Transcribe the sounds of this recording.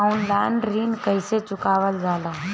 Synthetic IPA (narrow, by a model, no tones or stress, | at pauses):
ʊnlaːɳɖɾiːnkəɪset͡ʃʊkaːʋəld͡ʒaːlaː